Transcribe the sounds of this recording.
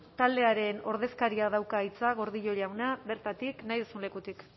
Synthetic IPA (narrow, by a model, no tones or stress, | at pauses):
t̪ald̪e̞aɾe̞no̞ɾð̞e̞skaɾiaðawkait͡saɣ̞o̞ɾðiʎo̞ʎawnaβe̞ɾt̪at̪iknajðusunle̞kut̪ik